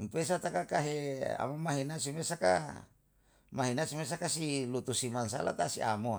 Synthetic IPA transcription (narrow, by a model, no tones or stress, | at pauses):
mpes̬at̪akakaɦea̰momaɦinasimesaka̰ | maɦinasimes̬akasilut̪usimansa̰la̰t̪asiʔa̰moa̰